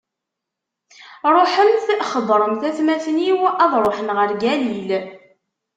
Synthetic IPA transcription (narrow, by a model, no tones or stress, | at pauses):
ɾˤoħəmθχəðˤɾˤəmθæθmæθniwɑðˤɾˤoħənʁəɾɡælil